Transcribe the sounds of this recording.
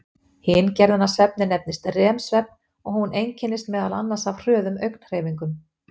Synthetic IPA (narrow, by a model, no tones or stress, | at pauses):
hɪncɛɾðʏnasvɛp̚nɪnɛp̚nɪst̪rɛːmsvɛp̚n | ɔɣhunejɲcʰɪnːɪst̪mɛːðala̰nːḁsavr̥œːðʏmœɥkn̥r̥eːviŋkʏm